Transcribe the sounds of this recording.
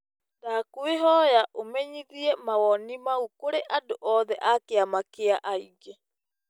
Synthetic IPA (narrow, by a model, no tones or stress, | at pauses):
dakweɦɔjaʔomɛɲiðiɛmawɔnimaukoɾeʔadoʔɔðɛʔakeamakeaʔaiɡe